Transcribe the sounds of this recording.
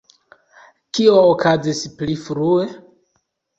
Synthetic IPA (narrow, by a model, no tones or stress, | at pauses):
kioːkazisplifɾue̞